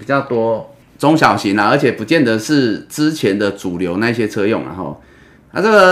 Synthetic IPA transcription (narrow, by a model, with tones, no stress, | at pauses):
pi˨˩t͡ɕjɑ˥˨ʊt̪wɔ˦ | t͡so˥˦ŋɕjɑ˨˩ʊɕi˨˦nla˦ə˞˧˥t͡ɕʰjɛ˨˩pu˨˦t͡ɕjɛ˥˨nd̪ə˨ʂɻ̩˥˩t͡sɻ̩˦t͡ɕʰjɛ˨˦nd̪ə˨t͡su˨˩ljo˨˧˥ʊna˥˧i˧ɕjɛ˦t͡sʰɤ˦jo˥˨ŋa̰˨xɔ̰˥˩ | na̰˥˧t͡sə˥˩ɡə˨˩